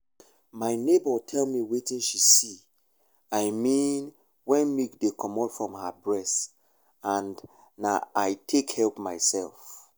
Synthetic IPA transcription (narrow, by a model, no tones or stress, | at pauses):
maɪnebɔtʰɛlmiwetĩnʃisi | aɪmĩn | wɛ̃nmikdekʰɔ̃mɔtfɹɔ̃mhabɹɛst | ãnː | a̰aɪtʰekhɛlpmaɪsɛ̰lˠf